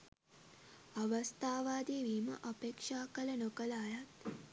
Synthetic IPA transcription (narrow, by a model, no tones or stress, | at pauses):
ɐʋɐst̪ʰaːʋaːd̪iːʋiːmɐ̰ʔɐpeːkʂaːkɐlɐnokɐlaːjɐt̪